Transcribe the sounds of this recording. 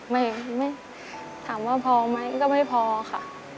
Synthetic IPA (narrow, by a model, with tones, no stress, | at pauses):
ma˥˩jma˥˩j | t̪ʰaː˩˦mwaː˥˩pʰɔː˧ma˦˥jkɔː˥˩ma˥˩jpʰɔː˧xʰa˥˩ʔ